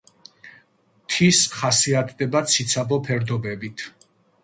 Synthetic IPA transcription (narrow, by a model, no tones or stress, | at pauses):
t̪ʰisχasiat̪ʰd̪ɛbat̪sʰit̪sʰabɔpʰɛɾd̪ɔbɛbit̪ʰ